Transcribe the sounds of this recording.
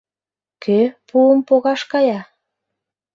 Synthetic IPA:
kʰøpuəmpoɣɑʃkɑjɑ

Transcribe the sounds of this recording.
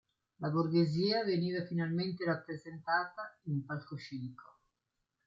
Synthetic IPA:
laburɡeziːaveniːvafinalment̪erapːɾezent̪aːt̪aimpalkoʃiniko

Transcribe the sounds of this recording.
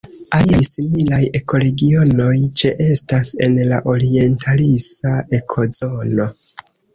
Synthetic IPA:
aliajsimilaje̞ko̞ɾe̞ɡio̞no̞jt͡ʃeʔe̞stase̞nlaʔo̞ɾie̞ntʰalisaʔe̞kʰo̞zo̞no̞

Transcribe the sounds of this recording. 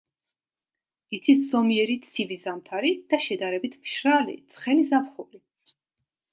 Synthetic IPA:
it̪sʰiszɔmiɛɾit̪sʰivizamt̪ʰaɾid̪̥aʃɛd̪aɾɛbit̪ʰmʃɾalḭt̪sʰχɛnizapχuli

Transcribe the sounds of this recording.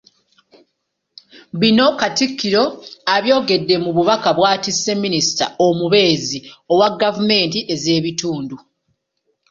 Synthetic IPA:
βino̞katikːiɾo̞aβjo̞ːɡe̞dːe̞muβuβakaβwaːtisːe̞minisi̥ta̰omuβe̞ːziowaɡːavume̞ːntiʔe̞ze̞ːβituːndu

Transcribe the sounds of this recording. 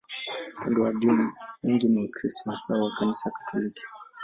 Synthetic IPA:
upʰandɔwaɗiniwɛŋɡiniukɾistɔhasawakanisakḁtʰɔliki̥

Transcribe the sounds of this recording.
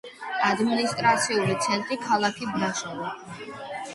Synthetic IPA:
ad̪minist̪ʼɾat̪sʰiulit̪sʰɛnt̪ʼɾikʰalˠakʰit̪̚ʰd̪aʃɛvɔ

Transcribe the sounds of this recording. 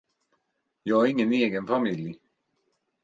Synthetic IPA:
jɑːɡaɾɪŋːəneːɡənfamɪlj

